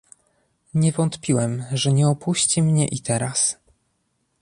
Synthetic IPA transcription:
ɲɛvɔnt̪pʲiwɛmʐɛɲɛɔpuɕt͡ɕimɲɛʔit̪ɛɾas

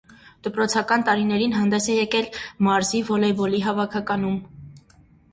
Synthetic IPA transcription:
d̪̥əpɾɔt͡sʰɑkɑnt̪ɑɾinɛɾinɦɑnd̪ɛsɛjɛkɛlmɑɾzivɔlɛbɔliɦɑvɑkʰɑkɑnum

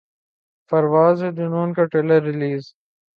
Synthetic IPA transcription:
pɐɾwaːzed̪unoːnkɐʈelɐɾːɪliːz

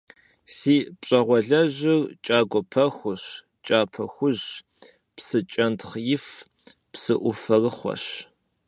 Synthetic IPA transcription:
siːpɕʼɐʁʷɔɮɐʒɪrt͡ʃʼaːɡʷɔpʰɐxʷʊɕ | t͡ʃʼaːpʰɐxʷʊʑ | psɨt͡ʃʼɐntχjɪf | psɨʔʷʊfɐrɨχʷɔ̰ɕ

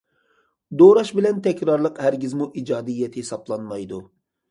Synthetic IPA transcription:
d̪oɾɑʃbɪlɛnt̪ʰɛkʲɾɑɾlˠəqhæɾɡʲizmuʔid͡ʒɑːd̪ɨjːɛt̪ʰhesɑblˠɑnmɑjd̪u

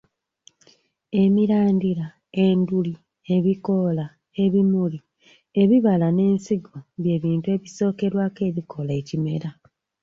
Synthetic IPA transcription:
e̞miɾaːndiɾa | e̞nduli | e̞βiko̞la | e̞βimuli | e̞βiβalane̞ːnsiɡwobje̞ːβiːntue̞ːβiso̞ːke̞ɾwaːke̞ːβikʰo̞lae̞cime̞̰ɾa

